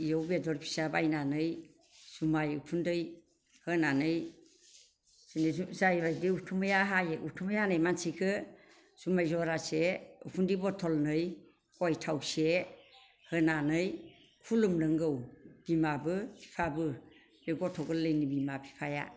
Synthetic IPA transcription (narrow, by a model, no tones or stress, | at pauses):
ijowbedɔɾpʰi̥sabajnanɯj | sumajṵtʰundɯj | hɯnanɯj | sɯnezajbajdiutʰumɯjaɦajeʔutʰumɯjanɯjmansikʰɯ | sumajzɔɾaseṵpʰundibɔtʰɔlnɯj | kɔjtʰawse | hɯnanɯj | kʰulumnɯŋɡɯwb̥imabɯpʰi̥pʰabɯ | beɡɔtʰɔɡɯlːɯjnibimapʰi̥pʰaja̰